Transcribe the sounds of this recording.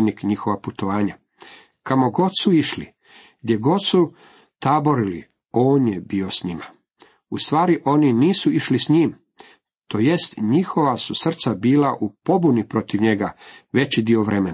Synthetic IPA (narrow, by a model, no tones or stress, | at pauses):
nikɲixo̞ʋaput̪oʋaːɲa | kamo̞ɡo̞d̪suiʃli | ɡd̪ʲje̞ɡo̞d̪su | t̪abo̞ɾilḭ | o̞ːnjebiːo̞sɲima | ust̪ʋaːɾiʔo̞niniːsuiʃlisɲiːm | t̪o̞jest̪ɲixo̞ʋasusr̩t̪sabiːlaʔupo̞bunipɾo̞t̪iʋɲe̞ɡaʋe̞t͡ɕid̪io̞ʋɾe̞mena